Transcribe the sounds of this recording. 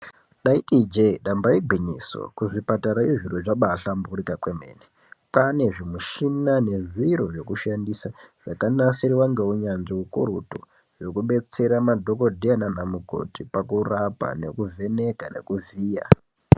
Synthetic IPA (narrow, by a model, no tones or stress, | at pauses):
ɗaitid͡ʒeɗambaiɡʱiɲiso̰kuʐipataɾajeʐiroʐaɓaɬambuɾikakweme̞̰ːne | pane̞ʐimuʃinane̞ʐiɾoʐo̞kuʃandisaʐ̥akanasiɾiwaŋɡeuɲanʐiukuɾuto̰ | ʐo̞kuɓe̞t͡se̞ɾamadʱo̞ko̞dʱiananamuko̞̰tipakurapa̰ne̞̰kuve̞ne̞kane̞̰kuviːja̰